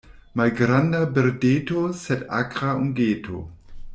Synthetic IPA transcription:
majɡɾandabeɾdeːt̪osɛta̰kʁauŋɡeːt̪ʰo̰

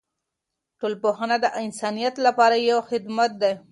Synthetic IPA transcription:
ʈolpoxanad̪əʔɪnsɑnijat̪lapɑɾajawxɪd̪mat̪̚d̪aj

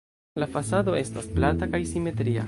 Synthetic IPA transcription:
lafasad̪o̞e̞stasplantakajsime̞t̪ɾia̰

